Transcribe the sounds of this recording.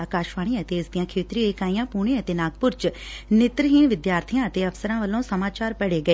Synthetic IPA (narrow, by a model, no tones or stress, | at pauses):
aːkaːʃʋaːɽ̃ĩət̪eːsd̪ijãːkʰeːt̪ɾiɪkaːijãːpuːɽ̃ẽːət̪eːnaːɡ̚pʊɾt͡ʃnɪt̪ɾəɦĩːʋɪd̪jaːɾt̪ʰijãːət̪eːəfsəɾãːʋəlːõːsəmaːt͡ʃaːɾpəɽeːɡəeː